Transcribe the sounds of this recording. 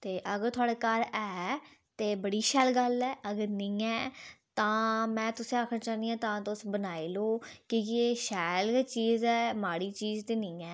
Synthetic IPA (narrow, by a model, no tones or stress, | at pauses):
t̪eːʔəɡəɾt̪ʰʊaːɽeːkəɾɛːt̪eːbəɽiːʃɛːlɡəlɛːəɡəɾnĩːɛːt̪ãːmɛ̃ːt̪ʊsẽːaːkʰnãːt͡ʃaːnd̪iːãːt̪ãːt̪ʊsbənaːiːloːkɪjeːʃɛːlːt͡ʃiːzɛːmaːɽiːt͡ʃiːzt̪iːnɪ̃ːɛː